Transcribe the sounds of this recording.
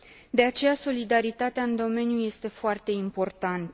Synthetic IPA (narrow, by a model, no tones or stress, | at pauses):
d̪e̞at͡ʃe̞jaso̞lid̪aɾit̪at̪eaɨnd̪o̞me̞njuje̞st̪e̞foart̪e̞impo̞rt̪ant̪ə